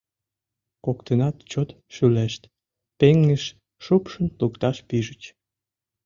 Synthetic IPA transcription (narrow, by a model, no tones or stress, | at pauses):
kokt̪ənɑt̪t͡ɕot̪ | ʃyleʃt̪ | peŋːəʃ | ʃupʃənlukt̪ɑʃpiʒət͡ɕ